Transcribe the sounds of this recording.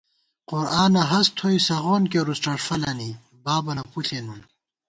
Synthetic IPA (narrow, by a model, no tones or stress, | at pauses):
qʊɾaːnɐɦɐst̪ʰojsɐʁoːnkeɾusʈɐʈfɐlɐni | baːbɐnɐpuɬenun